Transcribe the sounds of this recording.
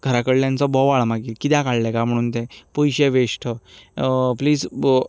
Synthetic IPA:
ɡʱəɾakəɽljãnt͡sɔbɔʋaɭmaɡikit̪jɛ̃kaɭlɛkam̤əɽ̃uːnt̪epujɕeʋeɕʈʰə | pliːd͡z

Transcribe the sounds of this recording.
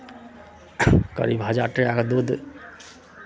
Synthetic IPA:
kə̰ɾibʱad͡ʒaʈɾeakd̪ud̪

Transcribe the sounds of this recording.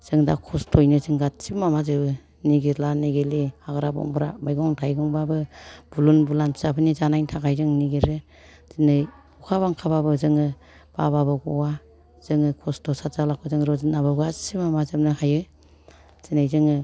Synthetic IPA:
z̥ɯŋda̰kʰɔstʰɔjnɯzɯŋɡasimamazɯbɯ | niɡelaniɡelihaɡɾabɔ̰ŋbɾa̰majɡɔŋtʰajɡɔŋbabɯb̥ulunbulanpʰi̥sapʰɯnizanajntʰakʰajzɯŋniɡeɾɯ | z̥inɯj | ukʰaβaŋkʰababɯzɯŋɯ | b̥ababaɡɔwa | z̥ɯŋɯkʰɔstʰɔsatzalakʰɔzɯŋɾɔzinabaɡasimamazɯp̚nɯhajɯ | z̥inajzɯŋɯ

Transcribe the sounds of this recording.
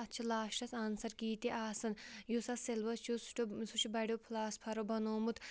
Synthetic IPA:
ɐtːt͡ʃʰilaːʃʈɐsɐnsɐɾkiːt̪iʔaːsɐnjusɐselʋɐt͡ʃʰjusu̥ʈusut͡ʃʰibɐɽʲopʰlaːspʰɐɾobɐnoːmut̪

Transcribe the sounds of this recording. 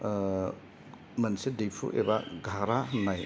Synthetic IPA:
mɐnsedejpʰṵʔḛbaɡʱaɾaɦnaj

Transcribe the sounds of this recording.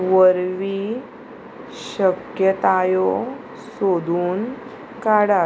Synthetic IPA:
ʋəɾʋi | ɕəkjət̪ajɔ | sod̪ʱuːn | kaɽa

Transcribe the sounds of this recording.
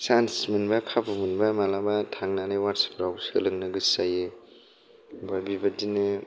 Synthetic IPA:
sansmɯnbakʰabumɯnbamalabatʰaŋnanawaɾsḁpɾawsɯlɯŋnɯɡɯsaje | bajbibadinɯ

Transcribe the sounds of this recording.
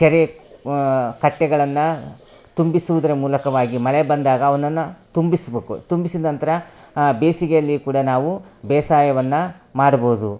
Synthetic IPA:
t͡ʃɛɾe | kɐʈːɛɡɐɭɐnːɐ | t̪umbisuʋud̪ɐɾemuːlɐkɐʋaːɡimɐɭɛbɐnd̪aːɡɐːʋɐnɐnːɐt̪umbisɐbeːkṵt̪umbisid̪nɐnt̪ɐɾɐ | beːsiɡejɐlːikuːɽɐnaːʋubɛːsaːjɐʋɐnːɐmaːɽɐboːud̪u

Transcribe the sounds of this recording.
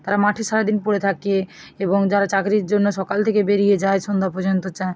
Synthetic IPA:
t̪aɾamaʈʰiʃaɾad̪inpoɾet̪ʰake | eboŋd͡ʑaɾat͡ɕakɾiɾd͡ʑonːoʃɔkalt̪ʰekebeɾijed͡ʑaeʃond̪ʱapoɾd͡ʑont̪ot͡ɕae

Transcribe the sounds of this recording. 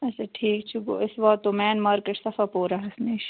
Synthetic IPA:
ɛseʈʰiːk̚t͡ʃʰuɡo̰ːʔɪsʋɐt̪ːomɛːnmaːɾkeʈsɐfapoːɾaɦɐsmeːʃ

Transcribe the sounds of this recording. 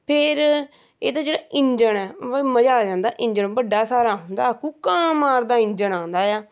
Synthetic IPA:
pʰɪɾ | ḛːd̪aːd͡ʒeːɽaːʔɪ̃ɲd͡ʒəɳɛːməd͡ʒaːd͡ʒãːnd̪aːʔɪ̃ɲd͡ʒəɳbəɖːaːsaːɾaːɦʊ̃nd̪aːkũːkaːmaːɾd̪aːɪ̃ɲd͡ʒəɳãːnd̪aːjaː

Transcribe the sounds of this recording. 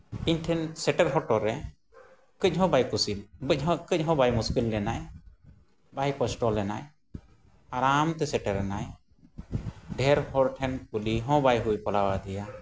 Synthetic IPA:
iɲʈʰɛnsɛʈɛɾɦɔʈɔɾːɛ | kɨc̚ˀɦɔ̃bajkusilbəc̚ˀɦɔ̃kɨc̚ɦɔ̃bajmuskilːɛnaj | bajkɔsʈɔlːɛnaj | aɾamt̪ɛsɛʈɛɾɛnaj | ɖʱɛɾhɔɾʈʰɛnkuliɦɔ̃bajɦujpɔlawad̪ɛja

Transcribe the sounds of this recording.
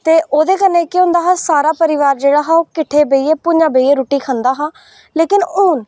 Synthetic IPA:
t̪eːʔoːd̪eːkəneːkeʊ̃nd̪aːɦaːsaːɾaːpəɾɪʋaːɾd͡ʒeːɽaːɦaːoːkɪʈʰːeːbeiːeːpʊɲd͡ʒãːbeieːɾuːʈiːkʰə̃nd̪aːɦãː | leːkɪnʊːn

